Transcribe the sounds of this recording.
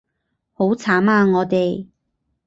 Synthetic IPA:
ho˨˥wt͡sʰaː˨˥maː˧ŋɔː˨˧t̪e˨j

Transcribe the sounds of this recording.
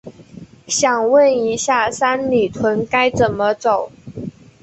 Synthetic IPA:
ɕjɑ˨˩ŋwə˥˨ni˧˥ɕja˥˩sa˥nli˨˩t̪ʰwə˧˦˥nka˥ɪt͡sə˨˩nmə˦t͡so˨˩ʊ

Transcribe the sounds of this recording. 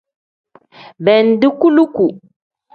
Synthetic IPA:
bɛ˨n˨˦di˦ku˦lu˦ku˨

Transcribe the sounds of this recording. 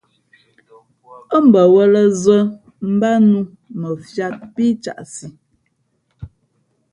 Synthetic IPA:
ə˦m̩˨bə˨wə˦lə˦zə˦ | m̩˦ba˦nu˦ | mə˨fja˦˨t̚pi˦t͡ʃa̰˨ʔsi˨

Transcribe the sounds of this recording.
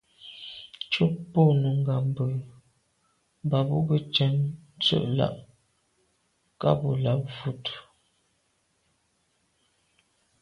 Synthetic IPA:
t͡ʃu˦po˦˨nu˨ŋ˦ɡa˨m˨bə˨ | ba˨bu˦bə˦t͡ʃɛ˨˦nn˦t͡sə̰˦˨ʔla̰˦˨ʔ | ka̰˦bu˨la˦p̚vu˦t

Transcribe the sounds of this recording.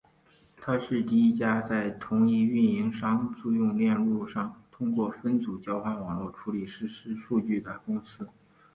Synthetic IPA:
t̪ʰa˥ʂɻ̩˥˧t̪i˥˧i˥˩t͡ɕja˥t͡sa˥˩ɪt̪ʰʊ˧˥ŋi˥˧y˥˩ni˧˥ŋʂɑ˥ŋt͡su˥˧jʊ˥˧ŋljɛ˥˧nlu˥˧ʂɑ˥˩ŋt̪ʰʊ˥ŋkwɔ˥˩fə˥nt͡su˨˩t͡ɕjɑ˥ʊxwa˥˩nwɑ˨˩ŋlwɔ˥˩ʈ͡ʂʰu˧˥li˨˩ʂɻ̩˥˩ʂɻ̩˥ʂu˥˧t͡ɕy˥˩d̪ə˩kʊ˥ŋsɹ̩˥

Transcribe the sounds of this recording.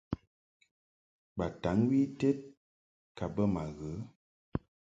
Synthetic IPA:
ɓa˨ta˨˦ŋwi˦tɛ˦t̚ | ka˨bə˦ma˨ɣə˨˦

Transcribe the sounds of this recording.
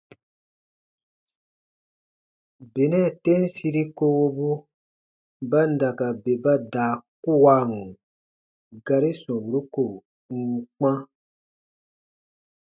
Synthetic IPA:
be˨nɛ̃˦˨tɛ̃˦n˦si˧ɾi˦ko˧wo˧bu˦ | ba˦n̩˦da˨ka˨be˨ba˦daː˨ku˦˨wa˧˦ŋu˨ | ɡa˧ɾi˦sɔ̃˨bu˨ɾu˦ko˨ | ŋ̩˦k͡pã˦

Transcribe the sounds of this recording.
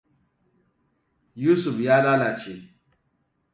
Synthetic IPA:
ju˦su˨fja˦la˦la˨t͡ʃe˨

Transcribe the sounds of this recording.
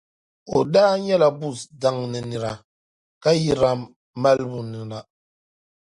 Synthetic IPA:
o˨daː˦ɲɛ˦la˨bu˦˨sda˦ŋnɨ˨nɨ˨ɾa˨ | ka˦ji˦ɾa˦˨ | ma˦lbʊ˨nɨ˨na˨

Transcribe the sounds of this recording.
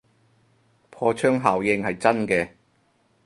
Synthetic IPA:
pʰɔː˧t͡ʃʰœː˥ŋɦaː˨˩wjɪ˧ŋhɐ˨jt͡sɐ˥nkɛː˧

